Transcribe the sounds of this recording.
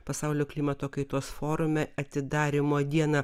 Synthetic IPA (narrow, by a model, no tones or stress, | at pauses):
pɐsɐʊlʲoːklʲiːmɐt̪oːkɐɪt̪oːsfoːɾʊmʲɛɐt̪ʲɪd̪ɑːɾʲɪmoːd̪ʲiɛnɐ